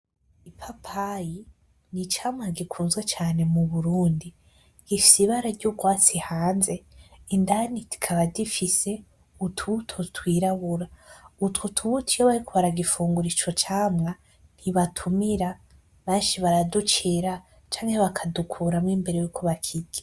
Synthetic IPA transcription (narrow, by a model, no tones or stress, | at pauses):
ipʰapʰaji | nit͡ʃaːmŋaɡikʰuːnzɡwe̞t͡ʃaːne̞muβuɾuːndi | ɡ̥ifi̥siβaɾaɾɟuɡwaːt͡sihaːnze̞indaniti̥kʰaβadifise̞ | utʰutʰotwiːɾaβuɾautwutʰuβutʰijoβaɾikʰoβaɾaɡifuːŋɡuɾit͡ʃot͡ʃaːmŋa | n̥hiβatʰumiɾa | βeːnʃiβaɾadut͡ʃiɾa | t͡ʃaːŋheβakʰadukʰuːɾamŋiːmbe̞ɾejuːkʰoβakʰiɡe